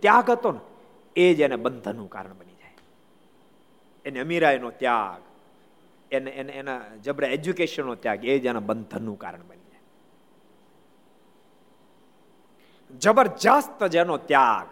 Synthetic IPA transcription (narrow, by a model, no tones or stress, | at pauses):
t̪jaːɡət̪on | ed͡ʒenebənd̪ʱənũka̰ɾəɳbənid͡ʒae | eneəmiɾaːjnot̪ja̰ɡ | enenenad͡ʒəbɾeed͡ʒukeʃənːot̪jaːɡed͡ʒenabənd̪ʱənːũka̰ːɾəɳbənid͡ʒae | d͡ʒəbəɾd͡ʒaːst̪d͡ʒenot̪jaːɡ